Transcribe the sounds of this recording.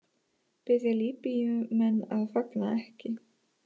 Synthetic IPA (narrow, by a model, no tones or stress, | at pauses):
pɪðjaliːpijʏmɛnːaðfaknaɛhcɪ